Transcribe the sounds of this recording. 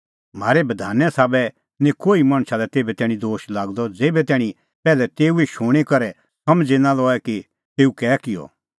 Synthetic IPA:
m̤aːɾɛbɐd̪ʱaːnjɛsaːbɛ | nẽkoːimaɽ̃ʃalɛt̪eːbɛt̪ɛːɽ̃ĩd̪oːʃlaːɡd̪ɔd͡zeːbɛt̪ɛːɽ̃ĩ | pɛːlɛt̪eːueʃoːɽ̃ekɐɾɛ | sɐmd͡ʒenãlɔːɛki | t̪eːukɛːkɪjɔ̰

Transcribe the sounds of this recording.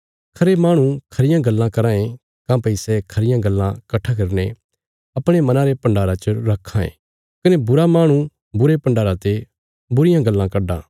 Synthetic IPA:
kʰɐɾemaːɽ̃ukʰɐɾɪjãɡɐlːãkɐɾãːẽ | kãpɐɪsɛkʰɐɾɪjãɡɐlːã̰kɐʈʰːak̬ɐɾne | ɐpɽ̃emɐnãɾepɐ̃ɳɖaːɾat͡ʃoɾɐkʰːãːḛ̃ | kɐnebʊɾamaːɽ̃ũ | bʊɾepɐ̃ɳɖaːɾãt̪e | bʊɾɪjãɡɐlːãkɐɖã̰ː

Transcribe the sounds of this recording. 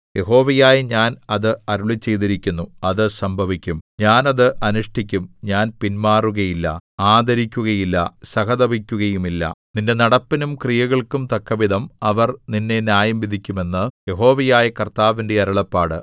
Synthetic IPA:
je̞ɦo̞ːʋɐjaːjɐɲaːnɐðɨɐɾuɭit͡ɕːe̞jt̪iɾikʲːunːuɐðɨsɐmbʱɐʋikʲːumɲaːnɐðɨʔɐnuʂʈikʲːumɲaːnpinmaːruɣɐjilːɐ̰aːd̪ɐɾikʲːuɣɐjilːɐ̰sɐɣɐðɐbʱikʲːuɣɐjumilːɐ̰ninde̞nɐɽɐpːinumkrijɐɣɐɭkumt̪ɐkːɐʋid̪ʱɐmɐʋɐrninːe̞njaːjɐmʋid̪ʱikʲːume̞nːɨje̞ɦo̞ːʋɐjaːjɐkɐrt̪aːʋinde̞ɐɾuɭɐpːaːɽɨ

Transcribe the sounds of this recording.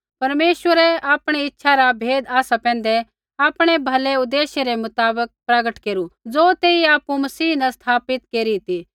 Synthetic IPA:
pɐɾmeːʃwəɾɛaːpɽ̃iɪtːʃʰaɾabʱeːd̪aːsapɛ̃ːn̆d̪ɛ | aːpɽ̃ebʱɐleʊd̪ːeːʃeɾemʊt̪aːbək̚pɾɐɡəʈkeːɾud͡zoːt̪eːiaːpumɐsiːnɐst̪ʰaːpɪt̪keːɾit̪i

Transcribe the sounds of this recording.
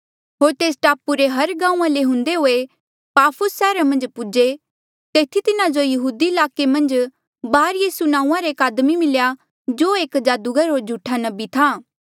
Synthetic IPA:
ɦoːɾt̪eːsʈaːpuɾeɦɐɾɡãːũːãleɦʊ̃nd̪eɦoːe | paːpʰʊsːɛːɾamɐ̃nd͡ʒpʊd͡ʒe | t̪eːt̪ʰit̪ɪnad͡ʒojɐɦuːd̪iɪlaːkemɐ̃nd͡ʒ | baːɾjiːsunãːũːãɾeːkaːd̪mimɪlja | d͡ʒoːeːkd͡ʒaːd̪uɡɐɾɦoːɾd͡ʒʱuːʈʰanɐbit̪ʰaː

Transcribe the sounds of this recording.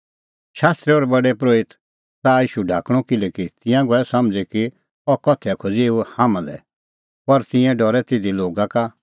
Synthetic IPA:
ʃaːst̪ɾiɔːɾɛbɐɖɛpɾoːɪt̪ | t̪aːiːʃuɖʱaːkɽ̃ɔkɪlɛkit̪ɪ̃jãɡɔɛsɐmd͡zɛki | ɔkɔt̪ʰɛkʰod͡zeːuhãmãlɛ̰ | pɐɾt̪ɪ̃ɛ̃ɖɔɾɛt̪ɪd̪iloːɡãka

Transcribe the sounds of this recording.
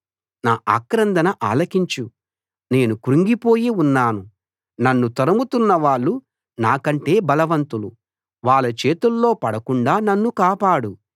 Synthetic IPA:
naːʔa̰ːkɾɐnd̪ɐnɐʔa̰ːlɐkiɲt͡ʃu | ne̞ːnukuɾuŋɡipo̞ːjiunːaːnu | nɐnːut̪ɐɾɐmut̪unːɐʋaːɭːu | naːkɐɳʈe̞ːbɐlɐʋɐnt̪ulu | ʋaːɭːɐt͡ʃe̞ːt̪ulːo̞ːpɐɽɐkuɳɖaːnɐnːukaːpaːɽu

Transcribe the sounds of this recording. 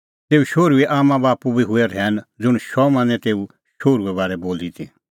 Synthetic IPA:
t̪eːuʃoːɾuɛʔaːmãbaːpubiɦʊɛɾɛːnd͡zʊɽ̃ʃɔmɐ̃nɛ̃t̪eːu | ʃoːɾuɛβaːɾɛboːlit̪ʰi

